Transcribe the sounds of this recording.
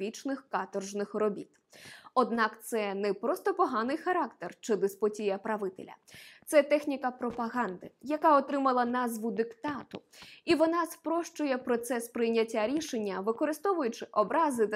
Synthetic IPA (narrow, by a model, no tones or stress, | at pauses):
it͡ʃnɪxkɑt̪ɔrʒnɪxrɔbʲḭt̪ | ɔd̪nɑkt̪sɛnɛpɾɔst̪ɔpɔɦɑnɪjxɐɾɑkt̪ert͡ʃɪd̪ɪspɔtʲijɐpɾɐʋɪt̪ḛlʲɐ̰t̪sɛt̪ɛxnʲikɐpɾɔpɐɦɑnd̪ɪjɐkaɔt̪ɾɪmɐlˠɐnɑzʋʊd̪ɪkt̪ɑt̪ʊiʋɔnɑspɾɔʃt͡ʃʊjɛpɾɔt̪sɛspɾɪjnʲɐtʲːaɾʲiʃenʲːɐʋɪkɔɾɪst̪ɔʋʊjʊt͡ʃɪʔɔbɾɑzɪ